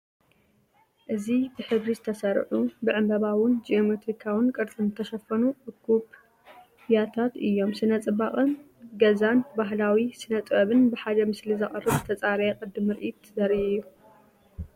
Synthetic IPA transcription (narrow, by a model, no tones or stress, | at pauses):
ʔɨzibɨħɨβɾizɨt̪ʰɐsɐɾʕubɨʕɨmbɐβawɨnd͡ʒiomet̪ɾikʰawɨnkʼɨɾt̪ʼɨnɨt̪ʰɐʃɐfɐnuʔɨkːuβ | jat̪ʰat̪ɨjːo̞msɨnɐt͡sʼɨbaχʼɨn | ɡɐzanbaɦlawisɨnɐt͡s̪ʼbɐβɨnbɨħad̪ɐmɨslizɐχʼɨrɨβt̪ʰɐt͡sʼaɾjekʼɨd̪ɨmɨɾʔit̪zɐɾijːu